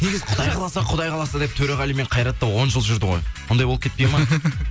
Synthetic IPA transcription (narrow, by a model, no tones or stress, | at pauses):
ne̞ɡʲɪzɪqʰʊd̪ɑjqʰɑlˠɑsɑqʰʊd̪ɑjqʰɑlˠɑsɑd̪ep̚t̪ʰɵɾɑʁɑlime̞ɴqʰɑjɾɑt̪ːɑwo̞nʒəlˠʒʏɾd̪ɪʁo̞jwond̪ɑjboəpkʲʰe̞t̪pejmɑ